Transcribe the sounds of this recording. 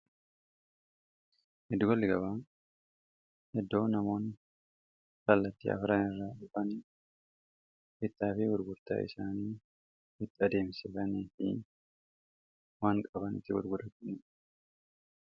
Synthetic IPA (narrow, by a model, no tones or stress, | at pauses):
hɪd̪ʊɡɐlːɪɡɐbaː | hɛd̪ːo̞ːnɐmo̞ːn | kɐlːɐt̪ːḭːʔɐ̰fɾaːnɪrːaːᶑʊfɐn | ʔɪt̪ːaːfɪwʊɾɡʊɾt̪a̰ːʔɪ̰saːniː | hɪt̪ːɐd̪e̞ːmsɪfɐniːfɪ̰ | waːŋkʼɐbɐnɪ̰t̪ːɪwʊ̰ɾɡʊᶑ̪ɐt̪ːɪnɛ